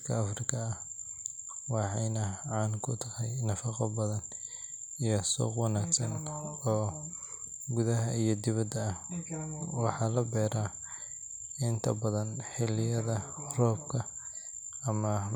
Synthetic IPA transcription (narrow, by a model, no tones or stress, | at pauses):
kʰɐ̰ɐfrɪkʰɐːh | wɑħɑjnɐʕɑːnkʰʊt̪ʰɐhɛjnɐfɑqɐbɐðɐn | ijɔsɔ̰ːqwɑnaːɡsɐnɔː | ɡʊðɐɦɐijɞd̪ɪβɐd̪ɐːh | wɑħɑlɐbɛːɾa | ɪnt̪ʰɐ̰bɐðɐnħɪlɪjɐðɐrɔːbkʰɐː | mɐ